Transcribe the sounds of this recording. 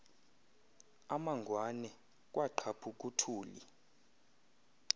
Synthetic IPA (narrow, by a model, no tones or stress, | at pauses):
amaŋɡʱwanɛ | k̬ʼwʔaǃʰapʰuk̬ʼutʰuːlḭ